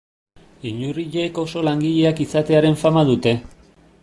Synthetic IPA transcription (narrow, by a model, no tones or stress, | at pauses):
iɲuriʎeːko̞so̞laŋɡiʎe̞akisat̪e̞aɾe̞ɱfamaðut̪e̞